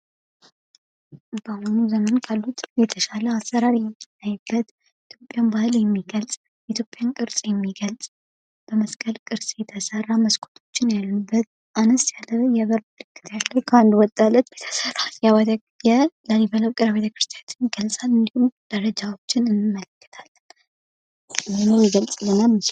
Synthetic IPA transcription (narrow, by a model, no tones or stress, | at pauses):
bəhonuzəmənkʰalːut̪ʰjɛt̪ʰəʃaləasːəɾaɾjɛmt̪ːnajːɨbːət̪ | it̪ʰjo̞pʼjambahɨljɛmːiɡəlsʼ | jʔit̪ʰjo̞pʼːjankʼɨɾsʼjɛmːiɡəlsʼ | b̥əməskʼəlkʼɨɾsʼjɛt̪ʰəsərːaməskʰʼo̥t̪ʰo̞̥t͡ʃːɪnjalːɨbːət̪̚ | ʔanɨst̪jalːəɨnjaβəɾ | lɨkʰːɨ̥t̪jalːəwkʰəand̪wɔt̪ʼːalːət̪jet̪ʰə̥sərːaljaw̪ | jɛlaliβələwkʼɨɾaβet̪ʰəkɾɨst̪ʰjat̪ʰɨnɡəlsʼalɨnd̪ihumd̪̥əɾəd͡ʒawo̞t͡ʃːɪnɨnmːələkːə̥t̪ʰal | jnjɛmːiɡəlsʼlːɨnːamɨs